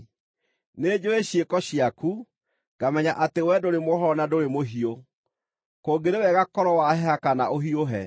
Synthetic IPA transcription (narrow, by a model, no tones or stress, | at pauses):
neːd͡ʑoeɕjekɔɕiaku | ɡ̥amɛɲaʔatewɛdoɾemoɦɔnadoɾemoɦio | koːɡeɾewɛɣakɔɾɔwahɛhakanaʔoɦioɦɛ̰